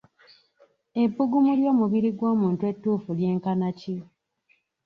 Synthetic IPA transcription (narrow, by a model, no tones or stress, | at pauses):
e̞bːuɡumuljo̞ːmuβiɾiɡwo̞ːmuːntwe̞tːuːfulje̞ːŋkanaci